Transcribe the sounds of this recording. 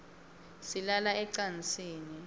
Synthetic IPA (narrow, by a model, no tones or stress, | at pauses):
silalaɛǀant͡sʼiːni